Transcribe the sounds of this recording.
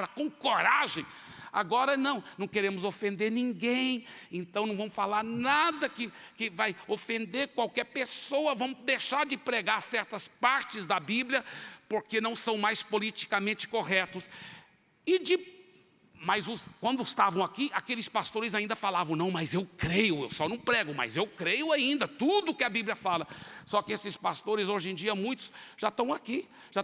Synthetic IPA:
pɾɐkõkoɾaʒẽj̃ | a̰ɡɔɾɐnɐ̃w̃nɐ̃w̃keɾẽmʊzofẽnd̪eɾnĩŋɡẽj̃ẽnt̪ɐ̃w̃nɐ̃vɐ̃mʊfalaɾnad̪ɐkɪkɪvajofẽnd̪eɾkwawkɛɾpesowɐvɐ̃w̃ʊd̪ejʃaɾd͡ʒɪpɾeɡaɾsɛɾt̪ɐspaɾt͡ʃɪzd̪ɐbiblijɐpoɾkenɐ̃w̃sɐ̃w̃majspolit͡ʃi̥kamẽnt͡ʃɪ̥koɦɛt̪ʊs | ɪd͡ʒɪ | mɐjzʊskwɐ̃nd̪ʊɪst̪avɐ̃w̃akiakelɪspast̪oɾɪzaĩnd̪ɐfalavɐ̃w̃nɐ̃w̃mɐzewkɾejʊewsɔnɐ̃w̃pɾɛɡʊmɐ̰zewkɾejʊaĩnd̪ɐt̪ud̪ʊːkɪɐbibliɐfalɐsɔkɪesɪspast̪oɾɪzoʒẽd͡ʒiɐmũj̃t̪ʊ̥sʒ̥at̪ɐ̃w̃aki | ʒ̥a

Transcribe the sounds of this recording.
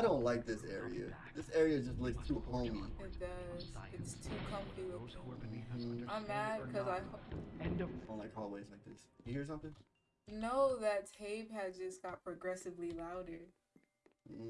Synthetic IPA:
aɪɾõʊ̃ntlaɪk̚ðɪsɛ̰ɹḭɨ̰ | ðɪsɛɹiɨd͡ʒʌstˡlɪkstʰupʰõʊ̃miɪt̚d̥ʌz̥ɪtstʰukʰʌ̃ɱftəbl̩ˠ | mðækʰʌzaɪ | õʊ̃nlaɪkʰɔlˠweɪzlaɪk̚ðɪsjɨhiɹs̬ʌ̃mθɪ̃ŋ | noʊðɨttʰeɪv̥ɨzd͡ʒʌsɡ̥ɑt̚pʰɹ̥ɨɡɹɛsɨvlilaʊɾə˞

